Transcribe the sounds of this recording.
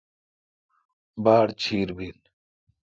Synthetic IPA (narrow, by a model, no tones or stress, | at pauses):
baːɽt͡ɕʰiːɾbiːl